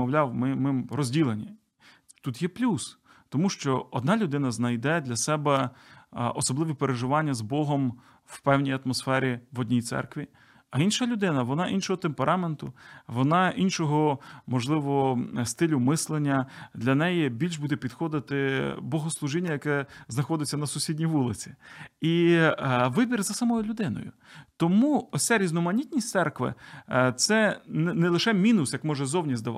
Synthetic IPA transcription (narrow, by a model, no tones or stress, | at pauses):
ɔwlʲɑwmɪmɪmrɔzʲdʲilˠenʲi | t̪ut̪jɛplʲus | t̪ɔmuʃt͡ʃɔɔ̰d̪nɑlʲʊd̪ɪnɐznɐjd̪ɛd̪lʲɐsɛbɛ | ɔsɔblˠɪʋipeɾeʒɪʋɑnʲːɐzbɔɦɔm | wpɛwnʲijɐt̪mɔsfɛɾʲiʋɔdʲnʲijt̪sɛ̰rkʋʲi | ɐinʃɐlʲʊd̪ɪnɐʋɔnɑʔinʃɔɦɔt̪empeɾʔɑme̞nt̪ʊʋɔnɑʔinʃɔɦɔmɔʒlˠɪʋɔɔst̪ɪlʲʊmɪslˠenʲːɐd̪lʲɐnɛjɛbʲilʲʃbud̪ɛpʲid̪xɔd̪ɪt̪ɪbɔɦɔslˠʊʒɪnʲːɐjɐkɛznɐxɔd̪ɪt͡sʲːɐnɐsʊsʲidʲnʲijʋulˠɪt͡sʲi̥i | ʋɪbʲirzɐsɐmɔjʊlʲʊd̪ɪnɔ̰jʊ̰ | t̪ɔmuɔsʲaɾʲiznɔmɐnʲit̪ʲnʲisʲtsɛrkʋɪ̰t̪sɛnnɛlˠɪʃɛmʲinʊsjɐkmɔʒɛzɔwnʲizʲd̪ɐʋɑ̰